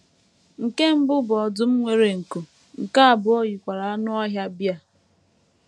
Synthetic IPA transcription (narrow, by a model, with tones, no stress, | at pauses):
ŋ̩˨ke˦m̩˦bʊ˦bʊ˨ɔ˨dʊ˦m̩˦ŋʷe˦ɾe˨ŋ̩˨ku˨ | ŋ̩˨ka˦a˨bʊ˨o˦ji˨kʷa˨ɾa˨a˦nʊ˦ɔ˦ɦja˦bja˦˨